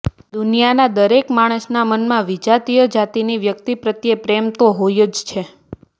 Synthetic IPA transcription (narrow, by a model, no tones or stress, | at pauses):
d̪unijanad̪əɾekmaɽ̃əsnamənmãʋid͡ʒat̪ijəd͡ʒat̪iniʋjək̚t̪ipɾət̪jepɾemt̪oɦojəd͡ʒt͡ʃʰe